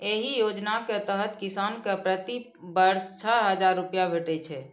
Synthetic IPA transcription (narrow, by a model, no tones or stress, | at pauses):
eɦijod͡ʒnaket̪əɦət̪kisankepɾət̪i | bəɾst͡ʃʰəɦəd͡ʒaɾːupjabʱeʈɛt͡ʃʰɛ